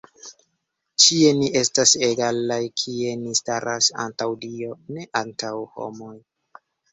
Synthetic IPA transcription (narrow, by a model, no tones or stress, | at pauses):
t͡ʃie̞niʔe̞staseɡalajkʰie̞nistaɾʔasa̰ntawdio̞ne̞ʔantawho̰mo̞j